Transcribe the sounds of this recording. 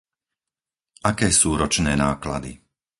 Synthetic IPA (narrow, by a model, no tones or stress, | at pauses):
ʔakɛːsuːɾɔt͡ʃnɛːnaːkla̰d̪ḭ